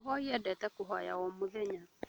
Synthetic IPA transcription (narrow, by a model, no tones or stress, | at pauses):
ɦɔiɛdɛtɛkʊɦɔja̰wɔmoðeɲa